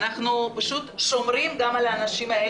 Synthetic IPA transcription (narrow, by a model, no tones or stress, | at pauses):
naχnupaʃut̪ʃomɾimɡamalaːnaʃimae